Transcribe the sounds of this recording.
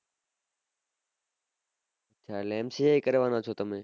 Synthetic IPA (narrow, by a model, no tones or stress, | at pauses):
ot͡ʃʰaːleːmsejaːiːkəɾeːʋãːnaːt͡ʃʰoːt̪əmẽː